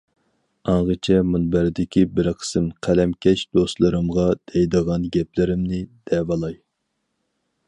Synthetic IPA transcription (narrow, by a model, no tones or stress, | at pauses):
ɑɴʁət͡ʃʰɛmunbæɾd̪ɪkʲibɪɾqʰə̥sɨmqʰælɛmkʲɛʃd̪̥ost̪lˠɨɾɨmʁɑd̪̥ɛjd̪əʁɑnɡʲɛp̚lɪɾɪmnɪd̪̥ɛvɑlˠɑj